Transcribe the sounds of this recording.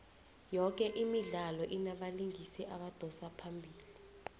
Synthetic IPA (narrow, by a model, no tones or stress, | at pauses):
jɔk̬ʼɛʔimiɮalɔʔinaɓaliŋisiʔaɓad̥ʱɔsapʰambʱiːli